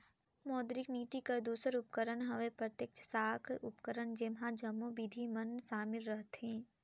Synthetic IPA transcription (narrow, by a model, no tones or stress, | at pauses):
mɔːd̪ɾɪkniːt̪ikad̪uːsəɾʊpkəɾənɦɐʋepɾət̪jəkt͡ʃʰsaːkʰʊpkəɾənd͡ʒemɦãd͡ʒɐmːõbid̪ʱimənʃaːmɪlɾəɦt̪ɦẽː